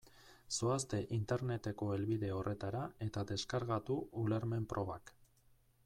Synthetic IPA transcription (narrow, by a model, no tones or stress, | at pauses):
soast̪e̞ʔint̪e̞ɾne̞t̪e̞ko̞e̞lβiðe̞o̞rʔe̞t̪aɾae̞t̪ad̪e̞skaɾɣat̪uːleɾme̞mpɾʔo̞βak